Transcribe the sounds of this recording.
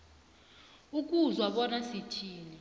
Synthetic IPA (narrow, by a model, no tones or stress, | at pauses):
uk̬ʼuzwaɓɔnasitʰiːni